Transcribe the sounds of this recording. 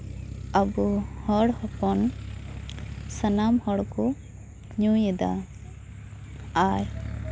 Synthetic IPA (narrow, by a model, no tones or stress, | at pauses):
abuhɔɽhɔpɔn | sənamhɔɽkɔ | ɲũjɛd̪a̰ | aj